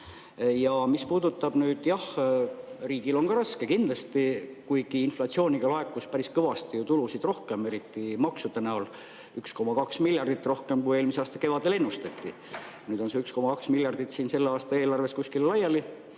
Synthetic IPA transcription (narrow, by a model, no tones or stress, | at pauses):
jɑmispuːd̪̥ut̪ːˑɑb̥nyːd̪̥jɑh | riːɡ̥ilo̞nkɑɾɑske̞kind̪lɑst̪ikujɡ̥iinflɑt̪sio̞ːnʲiɡ̥ɑlɑe̞kːˑuspæɾiskɤvɑst̪ijut̪ulusid̪̥ro̞hke̞me̞ɾit̪ːimɑksud̪̥enæol | yksko̞mɑkɑksmilʲjɑrd̪it̪ːˑro̞hke̞mkuje̞ːlmiseɑːst̪ɑke̞vɑd̪̥e̞le̞nːust̪ɑt̪ːi | nyːd̪̥o̞nse̞yksko̞mɑkɑksmilʲjɑrd̪̥it̪siːnse̞lːeɑːst̪ɑe̞ːlɑrve̞skuskillɑjɑli